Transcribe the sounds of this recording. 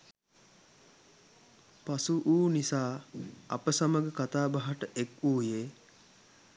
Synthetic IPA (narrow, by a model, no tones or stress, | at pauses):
pasuʔuːnisaːɐ̰pəsaməɡəkat̪aːbaɦaʈəʔekuːjeː